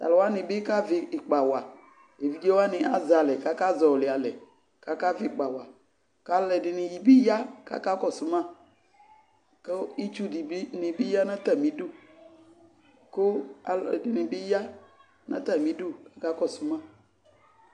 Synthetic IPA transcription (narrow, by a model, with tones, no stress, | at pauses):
t̪a̰˨lɔ˨wa˦nẽ˨be˦ka˦ve˨k͡pa˨wa˨ | e˨vi˦d͡ʒe˦wo˦a˦nẽ˨ʔa˨za˨lɛ˨ka˦ka˦zɔ˨le˨a˨lɛ˨ | ka˦ka˦ve˨k͡pa˨wa˨ | ka˦lɛ˨ɖɪ˨nẽ˨ji˨be˦ja˦ka̰˦ka˦kɔ˦su˦mã˦˨ | ke˦i˦t͡ʃu˦di˨bnẽ˨be˦ja˦nã˦t̪a˦˨mĩ˦do˦˨ | ko˦a˨ldɪ˨nẽ˨be˦ja˦ | nã̰˦t̪a˦˨mĩ˦do˦ka˦ka˦kɔ˦˨su˦mã˦˨